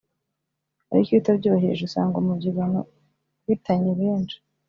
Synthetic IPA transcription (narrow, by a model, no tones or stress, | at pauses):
a̰ɾikitabɟuβaɦḛʒusa̰ːŋɡomubɟiβano̰ | witaɲeβeːnd͡ʒe̥